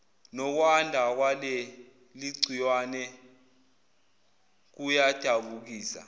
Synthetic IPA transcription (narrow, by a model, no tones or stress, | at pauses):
nɔk̬wandʱak̬walɛ | liǀʱijwaːnɛ | k̬ujad̥ʱaɓuk̬iːsa̰